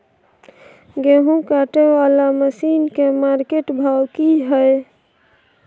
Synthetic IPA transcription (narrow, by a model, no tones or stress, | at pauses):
ɡeɦũkaʈewalaməsinkemaɾkeʈbʱawkiɦəj